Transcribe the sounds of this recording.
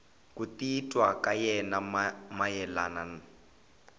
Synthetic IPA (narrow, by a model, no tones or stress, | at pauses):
kʼutitʼwakajɛnammajɛlanana